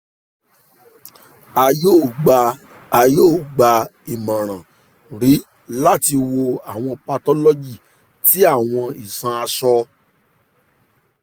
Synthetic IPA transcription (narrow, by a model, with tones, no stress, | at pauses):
a˨joː˦˨ɡ͡ba˧ | a˨joː˦˨ɡ͡ba˨i˨mã˨ɾ̃ã˨ | ɾi˨˦ | la˦ti˧wo˧a˨w̃ɔ̃˧pa˧tɔ˦lɔ˦d͡ʒi˦˨ | ti˨˦a˦˨w̃ɔ̃˧i˨sã˧a˧sɔ˧